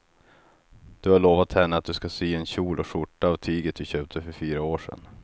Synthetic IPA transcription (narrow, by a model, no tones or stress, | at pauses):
d̪̥ɵhaɭoːvat̪hɛnːəat̪̚d̪ɵskasiːɛnɕuːlʔɔʂʊʈːaːvt̪ʰiːɡət̪̚d̪ɵɕøːp̚t̪ʰəfœɾfyːɾaoːʂɛ̰n